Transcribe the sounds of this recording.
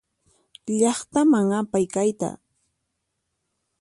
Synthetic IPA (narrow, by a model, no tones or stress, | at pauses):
ʎɑχt̪amaŋapajkajt̪a̰